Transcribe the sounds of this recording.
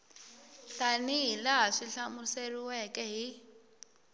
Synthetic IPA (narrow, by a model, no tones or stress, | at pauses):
ɬanilaɦaʂiɬamʊseriwɛkʼɛɦi